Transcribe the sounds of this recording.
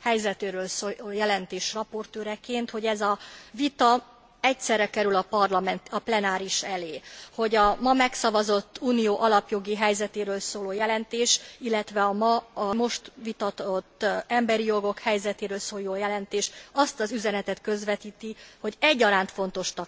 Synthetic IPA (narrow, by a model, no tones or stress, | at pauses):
hɛjzɛt̪eːɾøːlsoːjɛlɛnt̪eːʃrɒpo̞rt̪øːɾɛkeːnt̪ho̞ɟɛzɒvit̪ɒ | ɛcsɛrːɛkɛɾylɒpɒrlɒmɛnt̪ɒplɛnaːɾiʃɛleːho̞ɟɒmɒmɛksɒvɒzo̞t̪ːuːnijoːʔɒlɒpjo̞ɡiɦɛjzɛt̪eːɾøːlsoːloːjɛlɛnt̪eːʃilːɛt̪ʋɛɒmɒmo̞ʃt̪ʋit̪ɒt̪ot̪ːɛmbɛɾijo̞ɡo̞khɛjzɛt̪eːɾøːlsoːjoːjɛlɛnt̪eːʃɒst̪ɒzyzɛnɛt̪ɛt̪kø̞zʋɛt̪iːt̪iho̞ɟɛɟːɒɾaːnt̪fo̞nt̪o̞ʃt̪ɒ